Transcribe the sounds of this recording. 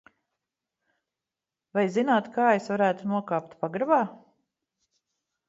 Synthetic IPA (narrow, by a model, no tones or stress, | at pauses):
vajzinaːt̪kaːesvaɾæːt̪unuɔkaːpt̪paɡɾabaː